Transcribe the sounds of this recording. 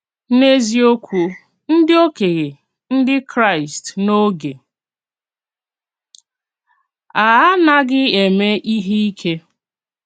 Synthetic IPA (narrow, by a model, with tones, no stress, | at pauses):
ne˦zi˦o˦kʷu˦ | n̩˦dɪ˦o˦ke˨ɣe˨ | n̩˦dɪ˦kɾa˦˨ɪ˨stno˦ɡe˨ | a˨a˦na˦ɡɪ˦e˨me˦ʔi˦ɦi˦i˦kʰe˦